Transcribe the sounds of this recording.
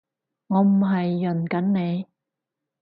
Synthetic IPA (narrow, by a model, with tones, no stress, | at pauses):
ŋɔː˨˧m̩˨˩ɦɐ˨jːɵ˨˩nkɐ˨˥nne˨˧j